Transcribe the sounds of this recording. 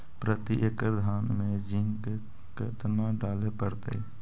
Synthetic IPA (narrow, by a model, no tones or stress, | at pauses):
pɾət̪iʔekəɾd̪ʱaːnmẽd͡ʒɪ̃ŋke | kɪt̪naɖaːlepəɾt̪ḛḭ